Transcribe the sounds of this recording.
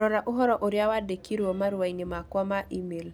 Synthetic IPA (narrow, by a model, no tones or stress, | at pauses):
ɔɾaʔuɦɔɾɔʔoɾjawadekiɾwomaɾwajnimakwamaʔimel